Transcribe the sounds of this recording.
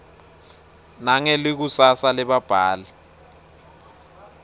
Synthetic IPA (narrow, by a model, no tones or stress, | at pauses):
naŋɛlik̬usasalɛɓab̥ʱaːlɛ